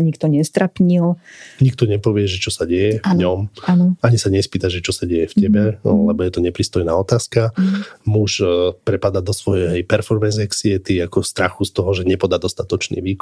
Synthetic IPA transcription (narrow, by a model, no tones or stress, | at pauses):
ɲikt̪ɔɲɛst̪ɾapɲilɲik̚t̪ɔɲɛpɔʋɪɛʒɛt͡ʃɔsaɟɛjɛvɲɔmanɔaɲisaɲɛspiːt̪aʒɛt͡ʃɔsaɟɛjɛfcɛbɛlɛbɔjɛt̪ɔɲɛpɾiːst̪ɔjnaːɔt̪aːskamuʃpɾɛpad̪ad̪ɔsʋɔjɛjpɛɾfɔɾmɛnzɛksiɛt̪iakɔst̪ɾaxust̪ɔɦɔʒɛɲɛpɔd̪aːd̪ɔst̪at̪ɔt͡ʃnḭʋiːk